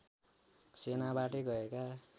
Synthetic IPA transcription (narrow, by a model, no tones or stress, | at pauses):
senabaʈʌɡʌeka